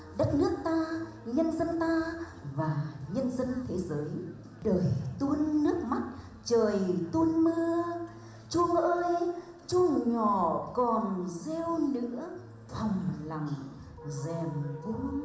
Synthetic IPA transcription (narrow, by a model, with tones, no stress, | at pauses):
ɗə˦˥t̚nɨ˦˥ək̚t̪aː˧ | ɲə˧nzə˧nt̪aː˧ | vaː˨˩ɲə˧nzə˧nt̪ʰe˨˦zəː˨˦j | ɗəː˨˩jt̪u˧ənːɨ˦˥ək̚ma˦˥t̚ | t͡ɕəː˨˩jt̪u˧ənmə˧ə | t͡ɕu˧ʔəː˧j | t͡ɕu˧ŋɲɔ˧˨kɔ˨˩nzɛ˧wnɨ̰˧˥ə | fʰa˨˩wŋ͡mla˨˩m | zɛ˨˩mku˧